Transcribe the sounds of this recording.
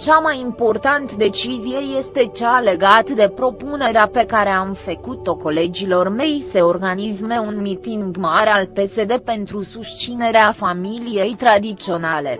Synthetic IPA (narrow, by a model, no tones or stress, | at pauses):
t͡ʃamajimpo̞rt̪ant̪d̪e̞t͡ʃizije̞je̞st̪e̞t͡ʃale̞ɡat̪d̪e̞pɾo̞pune̞ɾeape̞kaɾe̞amfəkut̪o̞ko̞le̞d͡ʒilo̞rme̞jse̞o̞rɡanisme̞unmit̪iŋɡmaɾealpe̞se̞d̪e̞pe̞nt̪ɾusuʃt͡ʃine̞ɾeafamilije̞jt̪ɾad̪it̪sio̞nale̞